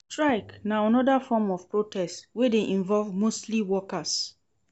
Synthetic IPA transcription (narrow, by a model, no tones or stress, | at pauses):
stɹaɪknaanɔdafɔmɔvpɹotʰɛstwedeʔĩɱvɔlvmostliwɔkas